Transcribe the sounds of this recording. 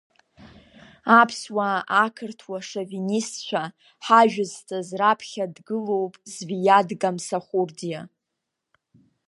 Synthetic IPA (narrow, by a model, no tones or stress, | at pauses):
apʰswaakʰɨrtʰwaʂavinist͡ʃʷʰᶣa | ħaʒᶣɨztʰazrapʰχʲadɡɨlo̞wpʼzvijadɡamsaχʷurdija